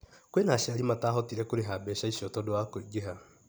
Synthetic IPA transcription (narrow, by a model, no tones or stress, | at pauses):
kwenaʃaɾimataːɦɔtiɾɛkoɾeɦabɛʃaisiɔtɔdowakoiɡeɦa